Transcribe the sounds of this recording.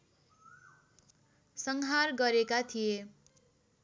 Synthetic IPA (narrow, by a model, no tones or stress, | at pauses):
sʌŋɦarɡʌɾekat̪ʰije